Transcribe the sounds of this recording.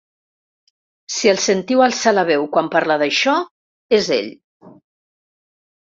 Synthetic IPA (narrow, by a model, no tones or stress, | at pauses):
siəlˠsənt̪iwalˠsalaβ̞ɛwkwampaɾləðəʃɔ | ezḛʎ